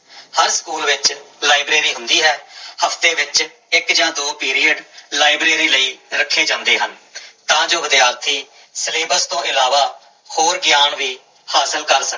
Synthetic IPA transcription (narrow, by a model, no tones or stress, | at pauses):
həɾsə̥kuːlʋɪt͡ʃlaːɪbɾeːɾiːɦʊ̃nd̪iːɦɛːhəfʰt̪eːʋɪt͡ʃ | ɪkd͡ʒãːd̪oːpiːɾiːəɖlaːɪbɾeːɾiːləiːɾəkʰːeːd͡ʒãːnd̪eːɦənt̪ãːd͡ʒoːəd̪jaːɾt̪ʰiː | səlẽːbəɾst̪õːʔɪlaːʋaː | hoːɾɡjaːɳʋiː | haːsəlkəɾsə